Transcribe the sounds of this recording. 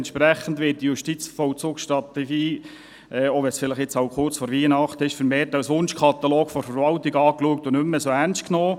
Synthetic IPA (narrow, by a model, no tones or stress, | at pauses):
ntʃpɾæχən̩dʋɪːt̚d̥ijʊʃtit͡sfɔʊt͡sʊːkʃtɾɑt̪ɛɡ̥iː | ɛːoʋɛsfɪləχɛt͡sɑʊkʰʊrt͡sfɔɾʋiːənɑχt̪əɪʃfəɾmeːrtɑwsʋʊnʃkʰɑt̪aloːkfɔɾfəɾʋɑlt̪iɡɑːkluək̚tʊnʏmːəsoːænst̚knoː